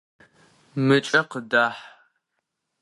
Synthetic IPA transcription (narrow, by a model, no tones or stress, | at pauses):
mɨt͡ʃʼɐqədaːħ